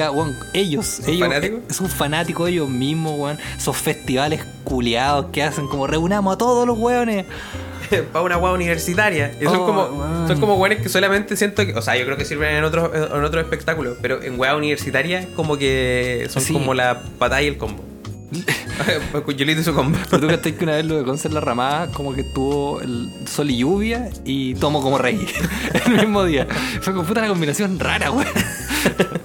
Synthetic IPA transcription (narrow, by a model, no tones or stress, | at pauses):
aɣwaŋ | ejosejonat̪ikosoɱfanat̪ikosejozmiɦmoɣwansofest̪iβaleh | kuljaðoskeaseŋkomoreunamoat̪oðolozɣweone | paunaɣweauniβeɾsit̪aɾjaisoŋkomosoŋkomowonekesolamẽnt̪esje̞nt̪okeʔoseajokɾeokesiɾβenenot̪ɾoʔenot̪ɾoehpek̚t̪akulopeɾoʔḛŋɡweauniβeɾsit̪aɾjaekomokesoŋskomola | pat̪aielkombo | kd͡ʒulit̪esukombopeɾot̪ukat̪ekeunaʋeloðekonseɾlaramaakomoket̪uβoḛlsoliʝuβja | it̪omokomorejelmiɦmoðiafekomput̪alakombinasjonra̰ɾawe